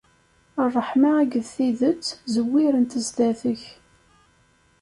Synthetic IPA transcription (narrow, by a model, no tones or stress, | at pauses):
ərˤːəħmaːɡəðθiðət͡sːzəwːiɾənt̪əzd̪æθəç